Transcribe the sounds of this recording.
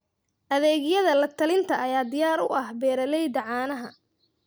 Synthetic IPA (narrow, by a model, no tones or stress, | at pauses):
ʔɐðɛːɣɪjɐðɐlɐt̪ʰɐlɪnt̪ʰɐʔɐjaːd̪ɪjaːɾʊ̰ʔɐhbɛːɾɐlɛjd̪ɐʕɑːnɐɦɐ